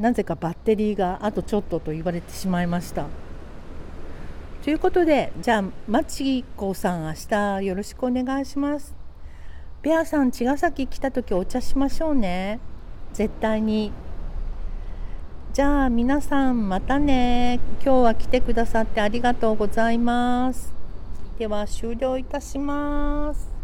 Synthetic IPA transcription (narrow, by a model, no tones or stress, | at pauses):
naze̞kabat̪ːe̞ɾʲiːɡaʔːt̪o̞t͡ɕo̞t̪ːo̞t̪o̞iβaɾe̞t̪e̞̥ɕimaimaɕi̥t̪a | t̪o̞jɯ̟ko̞t̪o̞d̪e̞d͡ʑaːmat͡ɕiiko̞ːsãɰ̃aɕi̥t̪ajo̞ɾo̞ɕi̥kɯo̞ne̞ɡaiɕimasɨ̥ | b̥ʲeasãɲ̟t͡ɕiɡasakʲikʲi̥t̪at̪o̞kʲio̞t͡ɕaɕimaɕo̞ːne̞ | ze̞t̪ːaiɲ̟i | d͡ʑaːmʲinasãmmat̪ane̞kʲo̞ːβakʲi̥t̪e̞kɯ̟d̪asat̪ːe̞aɾʲiɡat̪o̞ːɡo̞zaimasɨ̥d̪̥e̞βaɕɨːɾʲo̞ːit̪aɕimasɨ̥